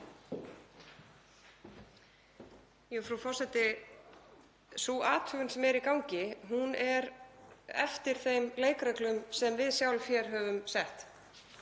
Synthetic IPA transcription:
jɛfɾaufɔr̥sɛt̪ɪ | suʔaːt̪ʰʏɣʏnsɛmɛɾikawŋcɪɦunɛɾ | ɛ̰ft̪ɪɾ̥θejmleːjkɾɛklʏmsɛmvɪðsjawlfjɛɾ̥ɦœvʏmsɛht̪

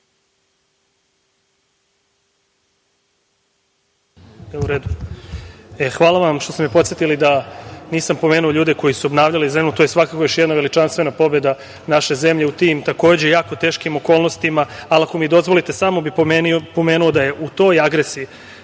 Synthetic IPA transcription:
euɾeːd̪u | exʋaːlˠaʋamʃt̪o̞st̪emipo̞t̪sjet̪ilid̪aniːsampo̞meːnuo̞ʎuːd̪e̞ko̞jisuobnaːʋʎalize̞mut̪o̞jesʋakakojo̞ʃjed̪naʋe̞lit͡ʃanst̪ʋe̞napo̞be̞d̪a | naʃe̞ze̞mʎe̞ut̪imt̪ako̞ːd͡ʑejaːko̞t̪eːʃkimo̞ko̞ːlnost̪imaːlako̞mid̪o̞zʋo̞lit̪esamo̞bippo̞meːnuod̪aje̞ʔut̪o̞jaɡɾesiː

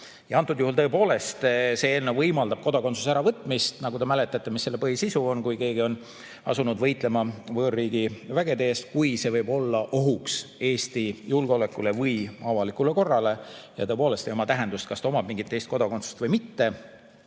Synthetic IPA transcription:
jɑɑnt̪ːˑud̪̥juhult̪ɤepo̞ːle̞st̪se̞eːlnewvɤjmɑld̪ɑb̥̚ko̞d̪̥okot̪su̥s̬æɾɑvɤt̪ːˑmist̪nɑɡud̪emæle̞t̪ːˑɑt̪ːemisːelːe̞pɤhisisuo̞nkujke̞ːɡio̞n | ɑ̰sunud̪vɤ̞jt̪ˑle̞mɑvɤːrːiːɡ̥ivæɡ̥e̞d̪eːst̪̚kujse̞vɤjbo̞lːɑʔo̞ɦukse̞ːst̪ijulɡ̥eo̞le̞kːˑule̞vɤjɑvɑlikˑule̞ko̞rːɑle̞jɑ̰t̪ɤepo̞ːle̞st̪ejomɑt̪æɦend̪̥ust̪̚kɑst̪ɑo̞mɑb̥miŋɡit̪ˑːe̞jst̪̚ko̞d̪oko̞nt̪su̥st̪vɤjmit̪ːe̞

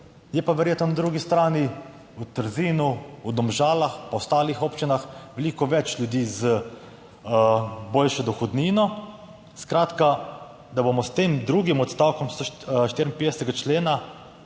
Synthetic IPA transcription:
jɛpaʋɛɾjeːt̪nɔnad̪ɾuːɡist̪ɾaːni | ut̪əɾziːnuwd̪ɔmʒaːlaxpawst̪aːlixoːpt͡ʃinaxʋɛliːkɔʋɛt͡ʃlʲjud̪iːzə | boːlʃɔd̪ɔxɔd̪niːnɔ | skɾaːt̪ka | d̪abomɔst̪emd̪ɾuːɡimɔt̪st̪aːwkɔmst̪oʃt̪iɾinpeːd̪ɛsɛt̪ɛɡat͡ʃleːna

